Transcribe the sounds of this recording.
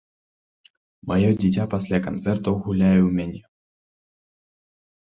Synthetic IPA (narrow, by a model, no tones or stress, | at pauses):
majodʲit̬ʲapasʲlʲakɐnt̪sɛrt̪oɣulʲæjumʲenʲe